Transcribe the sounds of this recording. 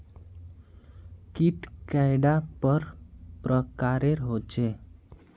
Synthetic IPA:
kiʈkajɖapəɾpɾəkaɾeɾɦot͡ʃe

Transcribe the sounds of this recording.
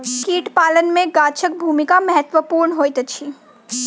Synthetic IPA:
kiːʈpaːlənmẽɡaːt͡ʃʰək̚bʱuːmɪkamɛɦət̪ʋəpuːɾɳɦoːjt̪t͡ʃʰi

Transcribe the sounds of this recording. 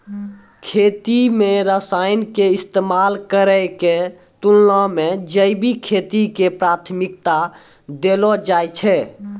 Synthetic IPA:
kʰet̪imeɾəsajnkeist̪emalkəɾəjke | t̪ulnɔmed͡ʒəjbʱikʰet̪ikepɾat̪ʰmik̚t̪a | d̪elɔd͡ʒajt͡ʃʰɛ

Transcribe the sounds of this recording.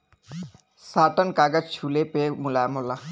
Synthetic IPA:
saːʈənkaɡəd͡ʒt͡ʃʰulepemulamola

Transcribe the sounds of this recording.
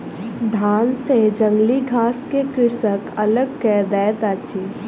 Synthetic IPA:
d̪ʱaːnsed͡ʒə̃ŋɡliɡʱaːskekɾɪsəkɐləɡ̚kɛːd̪ɛːt̪aːt͡ʃʰi

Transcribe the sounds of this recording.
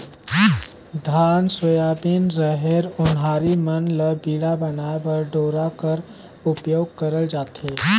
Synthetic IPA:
d̪ʱaːnswəjaːbinɾəɦeɾʊnɦaːɾimənləbiːɽabənabəɾɖoːɾakəɾ | ʊpjoːɡ̚kəɾəld͡ʒaːt̪eː

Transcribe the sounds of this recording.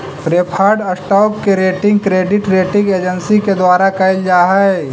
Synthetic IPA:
pɾeːpʰaːɾɖɐsʈaːkːeɾeːʈɪ̃ŋɡkɾeːɖɪʈɾeːʈɪ̃ŋɡeːd͡ʒənsiked̪waːɾakɐɪld͡ʒaːɦɛ

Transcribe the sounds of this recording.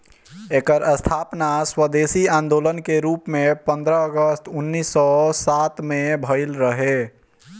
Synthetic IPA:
ekəɾəst̪ʰapnaswəd̪esiãnd̪olənkeɾuːpmepə̃nd̪ɾəəɡəst̪ʰʊnːisːɔsat̪mebʱəɪlɾəɦe

